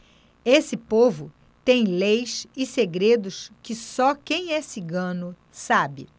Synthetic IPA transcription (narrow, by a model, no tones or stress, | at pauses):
esɪpovʊ | t̪ẽj̃lejsɪseɡɾed̪ʊskɪsɔkẽj̃ɛsiɡɐ̃nʊ | sabɪ̰